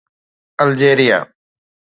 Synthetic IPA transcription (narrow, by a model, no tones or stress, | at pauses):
əld͡ʒeːɾɪja̰ː